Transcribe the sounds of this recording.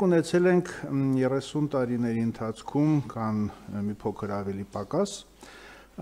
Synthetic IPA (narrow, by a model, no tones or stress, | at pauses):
unɛt͡sʰɛlɛŋkʰjɛrɛsunt̪ɑɾinɛɾiənt̪ʰɑt͡sʰkʰumkʰɑnmipʰɔkʰəɾɑvɛlipɑkɑs